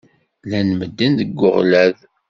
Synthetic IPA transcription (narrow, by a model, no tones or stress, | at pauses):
lænməd̪ːinðəɡːʊ̰ʁlæð